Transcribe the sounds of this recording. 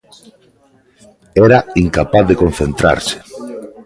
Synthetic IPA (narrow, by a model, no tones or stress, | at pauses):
ɛɾaiŋkapaθðekõnθẽnt̪ɾa̰ɾse̥